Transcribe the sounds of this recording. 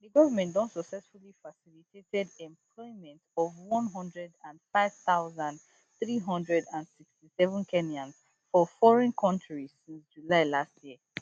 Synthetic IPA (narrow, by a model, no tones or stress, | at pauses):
diɡɔvamɛ̃ndɔ̃nsɔksɛsfulifasilitʰetɛdɛ̃mpʰlɔɪmɛ̃ntɔvwɔ̃nɦɔ̃ndɹɛdãnfaɪv̥θaʊzãnd | θɹiɦɔ̃ndɹɛdãndsikstisɛvə̃nkʰɛniãnz | fɔfɔɹɛ̃nkʰɔ̃ntʰɹizsĩnsd͡ʒulaɪlastji